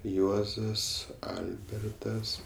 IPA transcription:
ˈjuɔzɐs ˈɐlʲbʲɛrtɐs

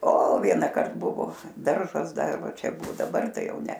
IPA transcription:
oː ˈʋʲiɛnɑːkɐrt ˈbʊʋoː ˈdɐrʒɐs ˈdɐr ˈʋɐ ˈt͡ʃʲɛ ˈbʊ dɐˈbɐr ˈtɐɪ ˈjɛʊ ˈnʲɛ

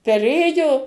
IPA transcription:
pʲɛˈrʲeːjoː

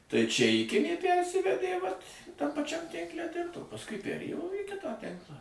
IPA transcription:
tɐɪ t͡ʃʲɛ ɪˈkʲɪnʲeː ˈpʲærʲsʲɪʋʲɛdʲeː ʋɐt tɐm pɐˈt͡ʃʲɛm ˈtʲɪŋklʲɛ tʲɛn oː pɐsˈkʊɪ pʲɛrʲˈeːjoː iː ˈkʲɪtɑː ˈtʲɪŋklˠɑː

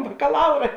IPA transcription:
bɐkɐˈlˠɐʊrɐ

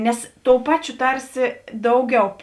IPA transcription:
ˈnʲɛs ˈtoːʊ ˈpɑːˌt͡ʃʲoː ˈtɐrʲsʲɪ ˈdɐʊˌɡʲɛʊ

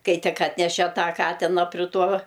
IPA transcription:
ˈkɐɪ ˈtʲɪk ˈɑːtʲnʲɛʃʲeː ˈtɑː ˈkɑːtʲɪnɐ pʲrʲɪ ˈtuɔ

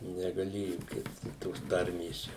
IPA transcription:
nʲɛɡɐˈlʲeːjʊ ˈkʲɪst toːs ˈtɐrʲmʲeːs ˈt͡ʃʲɛ

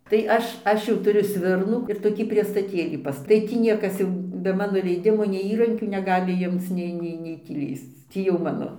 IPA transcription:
tɐɪ ˈɐʃ ˈɐʃ jɛʊ tʊˈrʲʊ ˈsʲʋʲɪrnuː ɪr toːˈkʲiː pʲrʲiɛstɐˈtʲeːlʲiː pɐsˈtɐ tɐɪ ˈtʲiː ˈnʲiɛkɐs jɛʊ bʲɛ ˈmɑːnoː lʲɛɪˈdʲɪmoː nʲɛɪ ˈiːrɐŋʲkʲuː nʲɛˈɡɑːlʲɪ ˈjɪmt͡s ˈnʲɛɪ ˈnʲɛɪ nʲɛɪ ˈtʲiː ˈlʲiːst͡s ˈtʲiː jɛʊ ˈmɑːnoː

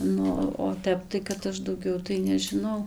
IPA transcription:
ˈnʊ oː ˈtʲɛp tɐɪ kɐt ˈɐʃ dɐʊˈɡʲɛʊ tɐɪ nʲɛʒʲɪˈnɐʊ

